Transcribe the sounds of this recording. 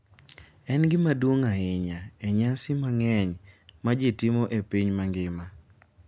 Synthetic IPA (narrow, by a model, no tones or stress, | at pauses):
ɛnɡɪmadwoŋaɪɲaeɲasɪmaŋɛɲmad͡ʒetɪmoʔepiɲmaŋɡɪma